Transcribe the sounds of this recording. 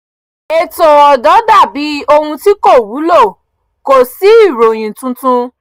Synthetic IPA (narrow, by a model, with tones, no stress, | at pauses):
e˧to˨ɔ˨dɔ˨˦da˦˨bi˨˦o˧hũ˧ti˦ko˦˨wu˨˦lo˦˨ | ko˨si˨˦i˦˨ɾo˨j̃ĩ˨tũ˧tũ˧